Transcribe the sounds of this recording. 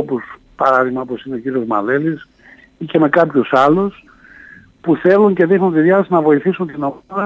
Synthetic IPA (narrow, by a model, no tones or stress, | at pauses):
pus | pɐɾɐðiɣmɐopo̞sineociɾio̞zmɐ̰lelis | ice̞me̞kɐpçusɐlus | puθe̞luɲce̞ðixnunt̪iðjɐɐsinɐvo̞iθisunt̪inoðɐ